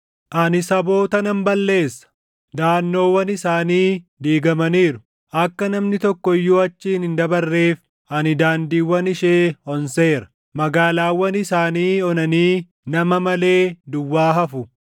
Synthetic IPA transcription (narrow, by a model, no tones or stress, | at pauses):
ʔɐnɪsɐbo̞ːt̪ɐnɐmbɐlːe̞ːsːɐ̥ | d̪aːnːo̞ːwɐnɪsaːniːd̪iːɡɐmɐniːɾʊ | ʔɐkːɐnɐmnɪt̪ɔkːɔjːuɐt͡ʃːiːnɪnd̪ɐbɐrːe̞ːf | ɐnɪd̪aːnd̪iːwɐnɪʃeːɔnse̞ːɾɐ̥ | mɐɡaːlaːwːɐnɪsaːniːɔnɐniː | nɐmɐmɐle̞ːd̪ʊwːaːɦɐfʊ